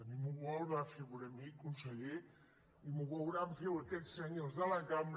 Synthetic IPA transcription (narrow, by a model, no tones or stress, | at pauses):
əmimuβɔlˠβafeɣunəmikːunsəʎe | imuβɔwɾaɱfewəkɛsəɲozðələkamɾ